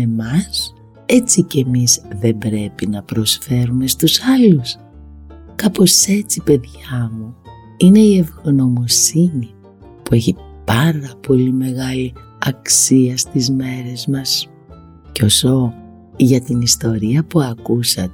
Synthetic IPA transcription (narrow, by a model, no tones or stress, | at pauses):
e̞mɐs | e̞t͡sice̞mizðe̞mbɾe̞pinɐpɾo̞sfe̞ɾume̞st̪usɐlus | kɐpo̞se̞t͡sipe̞ðʝ̥ɐmu | ine̞ie̞vɣono̞mosini | pue̞çipɐɾɐpo̞lime̞ɣɐli | ɐksiɐst̪izme̞ɾe̞zmɐs | ceo̞so̞ | ʝɐt̪inist̪o̞ɾiɐpuɐkusɐt̪e